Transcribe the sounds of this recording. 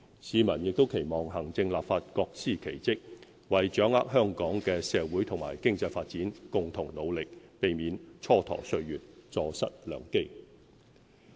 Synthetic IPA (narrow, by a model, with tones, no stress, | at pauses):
siː˨˧mɐ˨˩njɪ˨k̚t̪o˥wkʰe˨˩jmɔː˨ŋhɐ˨˩ŋt͡sɪ˧ŋlaː˨p̚faː˧t̚kɔː˧k̚siː˥˩kʰe˨˩jt͡sɪ˥k̚ | wɐ˨jt͡ʃœː˨˥ŋa̰ː˥k̚ɦœː˥˧ŋkɔː˨˥ŋkɛː˧sɛː˨˧wuː˨˥jt̪ʰʊ˨˩ŋmaː˨˩jkɪ˥ŋt͡sɐ˧jfaː˧t̚t͡siː˨˥nkʊ˨ŋt̪ʰʊ˨˩ŋlo˨˧wlɪ˨k̚pe˨jmiː˨˥nt͡ʃʰɔː˥t̪ʰɔ̰ː˨˩sɵ˧ɥɥyː˨t̚t͡sɔː˧sɐ˥t̚lœ̰ː˨˧ŋke˥j